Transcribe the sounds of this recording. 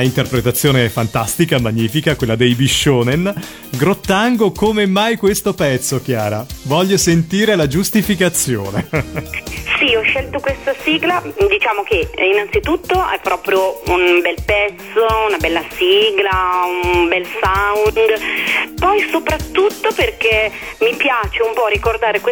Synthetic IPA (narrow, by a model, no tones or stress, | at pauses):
int̪erpɾet̪at̪sːjoːnefant̪ast̪ikamaɲːiːfikakwelːad̪ejbiʃːoːnen | ɡɾot̪ːaŋɡokomemːajkwest̪opɛt̪sːok̟jaːɾa̰vɔʎːosent̪iːɾelad͡ʒust̪ifikat̪sːjo̰ːne | siɔʃːɛlt̪okwest̪asiɡlad̪it͡ʃaːmok̟einant̪sit̪ut̪ːoʔɛpːɾɔːpɾjounbɛlpɛt̪sːounabɛlːasiɡlaunbɛlsawnd̪pɔjsopɾat̪ːut̪ːoperk̟e | mipjaːt͡ʃeumpɔɾikord̪aːɾekw